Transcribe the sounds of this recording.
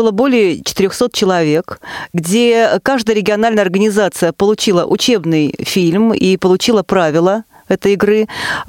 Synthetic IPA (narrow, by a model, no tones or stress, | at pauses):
ɨlˠəbo̞lʲɪjət͡ɕɪ̥t̪ɪɾʲoxso̞t̪̚t͡ɕɪlˠɐvʲe̞kɡdʲekaʐd̪əjəɾʲɪɡʲɪɐnalʲnəjəɐrɡənʲɪzat̪sɨjəpəlˠʊt͡ɕilˠəʔʊt͡ɕe̞bnɨjfʲilʲmipəlˠʊt͡ɕilˠəpɾavʲɪlˠə | ɛt̪əjɪɡrɨ